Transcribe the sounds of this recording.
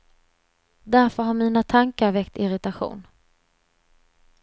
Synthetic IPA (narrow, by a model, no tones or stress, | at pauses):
d̪æɾfœɾɦaɾmiːnat̪ʰaŋkaɾvɛkt̪ɪɾɪt̪aɧṵːn